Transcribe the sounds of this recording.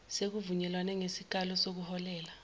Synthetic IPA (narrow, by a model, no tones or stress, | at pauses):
sek̬uvuɲɛlwanɛŋesik̬alɔsok̬uhɔlɛːla